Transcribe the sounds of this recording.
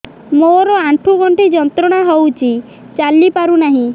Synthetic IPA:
moɾɔaʈʰuɡɔɳʈʰid͡ʒɔnt̪ɾɔɽ̃aɦowt͡ʃʰi | t͡ʃalipaɾunaɦĩ

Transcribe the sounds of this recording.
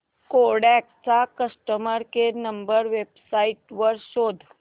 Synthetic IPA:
koɽɛk̚t͡ʃakəsʈəməɾkeɾnəmbəɾʋebsaiʈʋəɾʃod̪ʱ

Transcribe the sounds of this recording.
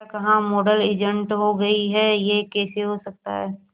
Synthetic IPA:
kɐɦãmoːɖəleːd͡ʒə̃ɳʈɦoɡɐiɦɛjekeːseɦosɐk̚t̪a̰ɦɛː

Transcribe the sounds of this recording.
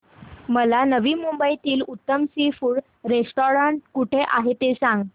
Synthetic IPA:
məlanəʋiːmumbəit̪iːlut̪ːəmsifuːɽ | ɾesʈoɾaɳʈ̚kuʈʰeʔaɦet̪esãŋɡ

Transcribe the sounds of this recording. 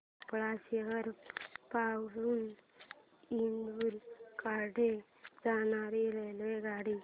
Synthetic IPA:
pɭasiɦəɾpawluːn | ind̪uɾkaɖʱe | d͡zanaɾilelʋeɡaɽi

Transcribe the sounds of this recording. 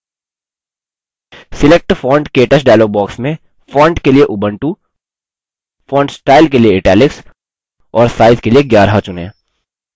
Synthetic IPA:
sɪlek̚ʈfɔ̃ːɳɖkeːʈəsɖaːlobɔːksmẽ | fɔ̃ːɳɖkelieʔʊbə̃ɳʈu | fɔ̃ːɳɖsʈaːɪlkelieɪʈɛːlɪks | ɔːɾsaːɪzkelieɡjaːɾɦat͡ʃʊnḛ̃ː

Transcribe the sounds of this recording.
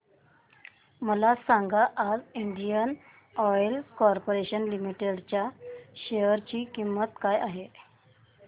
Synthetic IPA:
məlasaŋɡaʔːd͡ziɳɖijən | ɔjlkɔɾpoɾeɕənlimiʈeɽt͡ɕjaɕeəɾt͡ɕiːkimːət̪kajaɦe

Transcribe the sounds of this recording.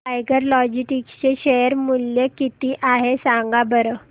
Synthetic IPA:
ajɡəɾlɔd͡ʑiʈikɕeɕejəɾmuljəkit̪iʔaɦesãŋɡabəɾə

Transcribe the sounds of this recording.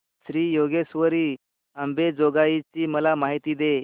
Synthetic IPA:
ɕɾiːjoɡesʋəɾiː | əmbed͡zoɡait͡ɕiːməlamaɦit̪iːd̪e

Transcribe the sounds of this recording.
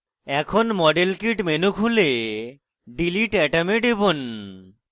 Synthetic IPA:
ɛkʰonmɔɖelkiʈmenukʰule | ɖiliʈɛʈameɖebon

